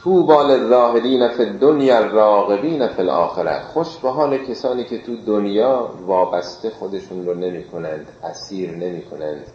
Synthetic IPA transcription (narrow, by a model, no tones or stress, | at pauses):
t̪ʰuːbɒːlerːɒːhe̞d̪iːnæfed̪ːonjrːɒːɣe̞biːnæfelʔɒ̰ːxe̞ɾæ̰t̪χo̞ʃbeɦɒːlecʰesɒːniːcʰe̞t̪ʰuːd̪onjɒːvɒːbæst̪e̞xo̞d̪e̞ʃunɾone̞miːkʰo̞nænd̪ʔæsiːɾne̞miːkʰo̞nænd̪̥